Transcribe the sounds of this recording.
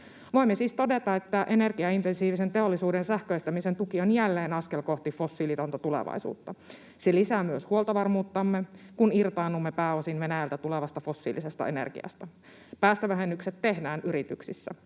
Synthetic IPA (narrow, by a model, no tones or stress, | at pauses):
ʋo̞imːesiːst̪o̞det̪ɑe̞t̪ːæʔe̞ne̞rɡiɑint̪ensiːʋise̞nt̪e̞o̞lːisuːdensæhkøist̪æmise̞nt̪ukionjælːeːnɑskelko̞ht̪ifo̞sːilit̪ont̪ɑt̪ulḛʋɑ̰isṵːt̪ːɑ | selisæːmyøshuolt̪ɑʋɑrmuːt̪ːɑmːekunirt̪ɑːnːumːepæːo̞sinʋe̞næjælt̪æt̪uleʋɑst̪ɑfo̞sːḭːlise̞st̪ɑ̰ḛnḛrɡ̥ḭɑ̰st̪ɑ | pæːst̪øʋæɦenːykset̪ːe̞hdæːnʔyɾit̪yksisːæ̰